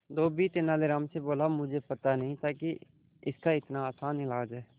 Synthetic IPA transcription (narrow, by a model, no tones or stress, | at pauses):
d̪oːbit̪ɪnaːleɾaːmseboːlamʊd͡ʒʱepɐt̪anəɐɦĩt̪aːki | ɪskaɪt̪naːsaːnɪlaːd͡ʒɦɛː